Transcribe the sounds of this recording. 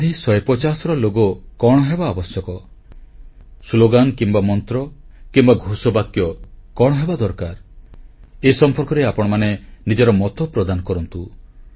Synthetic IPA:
d̪ʱisɔjpɔt͡ʃasɔɾɔloɡɔkɔɽ̃ɔɦebaːbɔsjɔkɔ | sloɡankimbamɔnt̪ɾɔkimbaɡʱusɔbakjɔkɔɽ̃ɔɦebad̪ɔɾkaɾ | esɔmpɔɾkɔɾeapɔɽ̃ɔmanenid͡ʒɔɾɔmɔt̪ɔpɾɔd̪anɔkɔɾɔnt̪u

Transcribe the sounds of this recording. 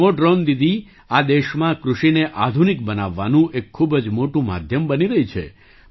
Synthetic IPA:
oɖɾond̪id̪ʱi | ad̪eʃmãkɾuʃineʔad̪ʱunik̚bənaʋːanũʔekʰːubəd͡ʒmoʈũma̰d̪ʱjəmbəniɾəɦit͡ʃʰḛ

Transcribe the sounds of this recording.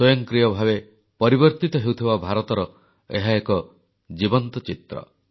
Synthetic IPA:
sɔjɔŋkɾijɔbʱabe | pɔɾibɔɾt̪it̪ɔɦewt̪ʰibabʱaɾɔt̪ɔɾɔ | ḛɦaekɔ | d͡ʒibɔnt̪ɔt͡ʃit̪ɾɔ̰

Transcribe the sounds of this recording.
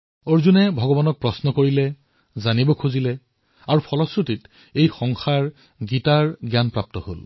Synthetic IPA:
oɹzunɛbʱɔɡɔbanɔk̚pɹɔsnɔkoɹilɛ | zanibɔkʰuzilɛ | aɹupʰɔlɔsɹutit | ejxɔŋxaɹ | ɡitaɹɡjanpɹap̚tɔho̰l

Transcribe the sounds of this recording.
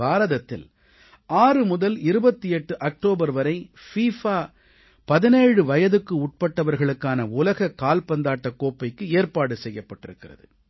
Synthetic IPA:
aːɾɐðɐt̪ːɪ̰l | ʔaːrɯmʊðɐlɪɾɯbɐt̪ːiɛʈːɯʔɐk̚ʈoːbɐɾʋɐɾɐɪfiːfaː | pɐðɪneːɻɯʋɐjɐðɯkːɯʊʈ̚pɐʈːɐʋɐɾɣɐɭɯkːaːnɐʊlɐɣɐkaːlpɐnd̪aːʈːɐkːoːpːɐɪkːɯeːɾpaːɽɯsɛjːɐpːɐʈːɪɾɯkːɪrɐ̰ðɯ̰

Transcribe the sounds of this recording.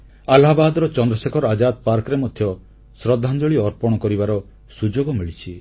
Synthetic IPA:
alabad̪ɔɾɔt͡ʃɔnd̪ɾɔsekʰɔɾad͡ʒad̪̚paɾkɔɾemɔd̪ʱjɔ | sɾɔd̪ʱːand͡ʒ̪ɔɭiɔɾpɔɽ̃ɔkɔɾibaɾɔ | sud͡ʒoɡɔmiɭit͡ʃʰi

